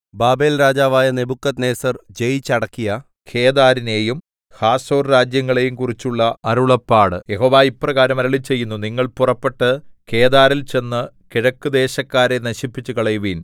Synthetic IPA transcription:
baːbe̞ːlɾaːd͡ʑaːʋaːjɐne̞bukːɐt̪ne̞ːsɐrd͡ʑejt͡ɕɐɽɐkːijɐ | kʰe̞ːðaːɾine̞ːjum | haːso̞ːrɾaːd͡ʑjɐŋːɐɭe̞jumkurit͡ɕːuɭːɐɐɾuɭɐpːaːɽɨje̞ɦo̞ːʋaːipːrɐɣaːɾɐmɐɾɐɭit͡ɕe̞jːunːuniŋːɐɭpurɐpːe̞ʈːɨkʰe̞ːd̪aːɾilt͡ɕe̞nːɨ | kiɻɐkːud̪e̞ːɕɐkːaːɾenɐɕipːit͡ɕːukɐɭɐjuʋin

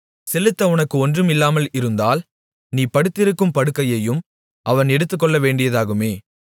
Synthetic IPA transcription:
sɛlɯt̪ːɐʊnɐkːɯɔndrɯmɪlːaːmɐlɪɾɯnd̪aːl | niːpɐɽɯt̪ːɪɾɯkːɯmpɐɽɯkːɐjɐjɯm | ʔɐʋɐnɛɽɯt̪ːɯk̬ːɔɭːɐʋeːɳɖɪjɐðaːɣɯmeː

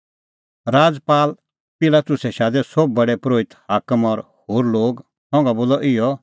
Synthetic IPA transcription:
ɾaːd͡zpaːl | pɪlat̪ʊsɛʃaːd̪ɛsɔb̚ːɐɽɛpɾoːɪt̪haːkəmɔɾ | hoːɾloːɡ | hɔ̃ːŋɡaboːlɔʔɪjɔ

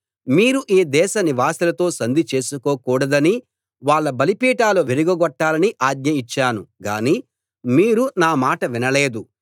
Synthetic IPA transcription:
miːɾuʔiːd̪ɛːʃɐniʋaːsilɐt̪o̞ːsɐnd̪it͡ʃe̞ːsuko̞ːkuːɽɐd̪ɐni | ʋaːɭːɐbɐlipiːʈaːluʋeɾiɡɐɡɔʈːaːlɐniʔaːɡ̚ɲɐit͡ʃːaːnuɡa̰ːni | miːɾunaːmaːʈɐʋinɐle̞ːd̪u

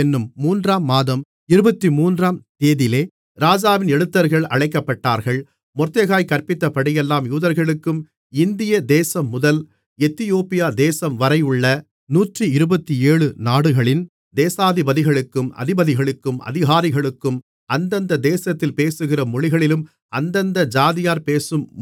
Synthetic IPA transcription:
ɛnːɯmːuːndraːmːaːðɐm | ɪɾɯbɐt̪ːimuːndraːmt̪eːðɪleː | ɾaːd͡ʒaːʋɪnɛɽɯt̪ːɐɾɣɐɭɐ̰ɻɐɪkːɐpːɐʈːaːɾɣɐɭ | mɔrt̪ɐɣaːjkɐɾpɪt̪ːɐpːɐɽɪjɛlːaːmjuːðɐɾɣɐɭɯkːɯm | ɪnd̪ɪjɐd̪eːsɐmːʊðɐl | ɛt̪ːɪjoːpɪjaːd̪eːsɐmʋɐɾɐɪɯɭːɐ | nuːʈriɪɾɯbɐt̪ːieːɻɯnaːɽɯɣɐɭɪn | d̪eːsaːðɪbɐðɪɣɐɭɯkːɯmɐ̰ðɪbɐðɪɣɐɭɯkːɯmɐ̰ðɪɣaːɾɪɣɐɭɯkːɯm | ɐnd̪ɐnd̪ɐd̪eːsɐt̪ːɪlpeːsɯɣɪrɐmʊɻɪɣɐɭɪlɯm | ɐnd̪ɐnd̪ɐd͡ʒaːðɪjaːɾpeːsɯm

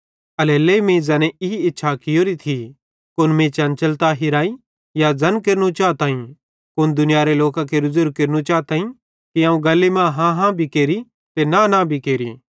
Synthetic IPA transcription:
ɐleːleːmĩːzaːnɛɪiɪtːʃʰakɪjoːɾit̪ʰi | kʊnmẽt͡ʃɐnt͡ʃɐlt̪aɦɪɾaːi | jad͡zɐnkeɾnũt͡ʃaːt̪aːĩ | kʊnd̪ʊnɪjaːɾeloːkãkeɾʊzʊɾɡ̚keɾnũt͡ʃaːt̪aːĩ | kiãːũɡɐlːemãɦãɦãbʱikeːɾi | t̪enanabʱikeːɾḭː

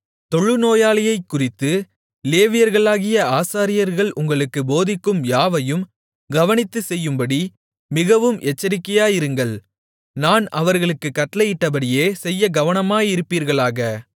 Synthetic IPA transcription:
t̪ɔɭːɯnoːjaːlɐjɐɪkːʊrɪt̪ːɯ | leːʋɪjɐɾɣɐɭaːɣɪjɐaːsaːɾɪjɐɾɣɐɭʔʊŋɡɐɭɯkːɯboːðɪkːɯmjaːʋɐjɯm | ɡɐʋɐnɪt̪ːɯsɛjːɯmbɐɽi | mɪɣɐʋɯmɛt͡ʃːɐɾɪkːɐjaːjɪɾɯŋɡɐɭ | naːnɐʋɐɾɣɐɭɯkːɯkːɐʈlɐjɪʈːɐbɐɽɪjeːsɛjːɐɡɐʋɐnɐmaːjɪɾɯpːiːɾɣɐɭaːɣɐ

